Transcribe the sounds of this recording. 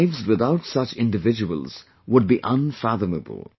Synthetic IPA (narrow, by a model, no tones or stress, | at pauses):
ɪvzwɪðaʊtsʌt͡ʃɪ̃ndɨvɪd͡ʒəwə̰l̩ˠz̥ | wʊd̚biʔə̃nfæðəmə̰bə̰l̩ˠ